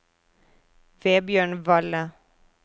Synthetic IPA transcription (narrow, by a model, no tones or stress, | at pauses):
ʋeːbjøːɳʋɑlə